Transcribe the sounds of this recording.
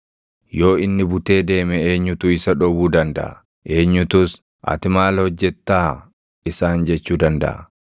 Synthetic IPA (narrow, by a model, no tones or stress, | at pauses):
jo̞ːɪnːɪbʊt̪e̞ːd̪e̞ːmɛeːɲːʊt̪ʊɪsɐᶑɔbuːd̪ɐnd̪ɐ̰ʔɐ̰ | ʔe̞ːɲːʊt̪ʊs | ʔɐ̰t̪ɪmaːlhɔd͡ʒːɛt̪ːaː | ɪsaːnd͡ʒɛt͡ʃːuːd̪ɐnd̪ɐ̰ʔɐ̰